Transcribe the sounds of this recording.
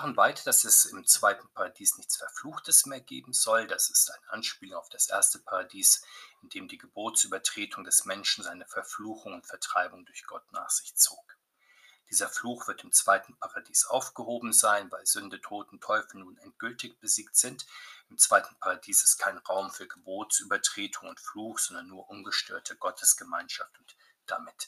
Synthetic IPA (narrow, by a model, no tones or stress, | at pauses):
aʁənvaɪtd̥asɛsɪmt͡sv̥aɪtn̩pʰaʁadiːsnɪçt͡sfɛɐfluːxtəsmeːɐɡḛːbm̩zɔld̥asɪ̥staɪnʔanʃpiːlʊŋaʊfd̥asʔḛːɐstəpʰaʁadiːsʔɪndeːmdiːɡəboːtsʔyːbɐtʁ̥eːtʰʊŋdɛsmɛnʃn̩zaɪnəfɛɐfluːxʊŋʊntfɛɐtʁ̥aɪbʊŋdʊɐçɡ̥ɔtna̰ːχz̥ɪçt͡so̰ːk | d̥iːzɐfluːxv̥ɪɐtɪmt͡sv̥aɪtn̩pʰaʁadiːsʔa̰ʊfɡ̥əhoːbm̩zaɪnvaɪlzʏndətʰoːtʊn̩tʰɔʏfl̩nuːnɛnt̚ɡ̥ʏltɪçb̥əziːktz̥ɪntɪmt͡sv̥aɪtn̩pʰaʁadiːsɪ̥stkʰaɪnʁaʊmfyːɐɡəboːtsʔyːbɐtʁ̥eːtʰʊŋʊntfluːxz̥ɔndɐnːuːɐʔʊnɡəʃtø̰ːɐtʰəɡɔtʰəsɡ̥əma̰ɪnʃaftʊnt | d̥a̰mɪt